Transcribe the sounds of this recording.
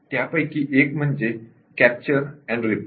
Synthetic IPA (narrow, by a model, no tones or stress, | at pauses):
t̪japəjkiʔekm̤əɳd͡ʑe | kæp̚t͡ɕəɾɛ̃ɳɖɾip